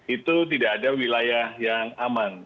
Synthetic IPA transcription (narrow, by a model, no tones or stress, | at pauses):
it̪ut̪̬idaːdawilajahjaŋaman